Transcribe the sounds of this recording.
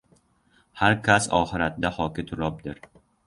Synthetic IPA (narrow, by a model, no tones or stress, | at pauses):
haɾkʰʲasɒ̰χɪɾat̪d̪ahɒkʲɪt̪ʰʊɾɒp̚d̪ɪɾ